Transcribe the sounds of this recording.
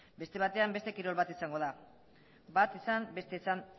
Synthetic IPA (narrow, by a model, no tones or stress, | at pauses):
be̞st̪e̞β̞at̪e̞ambest̪e̞kiɾo̞lβat̪isaŋɡo̞ða | bat̪isambe̞st̪e̞san